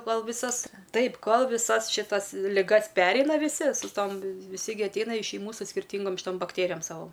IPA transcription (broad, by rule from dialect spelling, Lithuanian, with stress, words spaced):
ˈkoːlˠ ʋʲɪˈsɐs ˈtɐɪp ˈkoːlˠ ʋʲɪˈsɐs ʃʲɪˈtɐs lʲɪˈɡɐs ˈpʲæːrʲɛɪnɐ ʋʲɪˈsʲɪ sʊ ˈtoːm ʋʲɪˈsʲɪ ɡʲɪ ɐtʲˈɛɪnɐ ɪʃ ʃʲɛɪˈmuː sʊ sʲkʲɪrʲˈtʲiːŋɡoːm ʃʲɪˈtoːm bɐkˈtʲeːrʲɪjoːm ˈsɑːʋoː